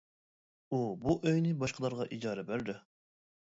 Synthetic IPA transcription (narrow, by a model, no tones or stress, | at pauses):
ubuʔøjnɪbɑʃqʰəlˠɑɾʁɑʔid͡ʒɑːɾɛbæɾd̪ɪ